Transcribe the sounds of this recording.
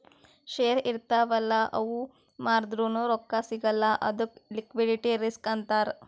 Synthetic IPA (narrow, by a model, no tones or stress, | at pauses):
ʃeːɾiɾt̪aːʋɐlːɐʔɐʋu | maːɾd̪ɾunuɾɔkːasiɡɐlːɐʔɐ̰d̪uklikʋiɖiʈiɾiskɐnt̪aːɾ